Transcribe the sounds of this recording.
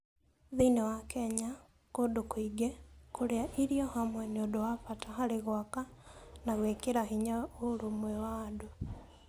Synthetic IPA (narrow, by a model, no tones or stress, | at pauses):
ðinewakɛɲa | kodokoiɡɛkoɾeaʔiɾiɔhamwɛneodowafataɦaɾeɣwakanaɣwekeɾaɦiɲaoɾomwɛwaːdo